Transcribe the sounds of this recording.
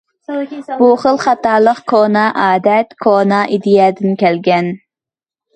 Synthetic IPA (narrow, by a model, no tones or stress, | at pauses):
buχəlˠχɑt̪ɑːlˠəqkʰonɑʔɑːd̪ɛt̪kʰonɑʔid̪ijɛd̪ɪnkʲɛlɡʲɛn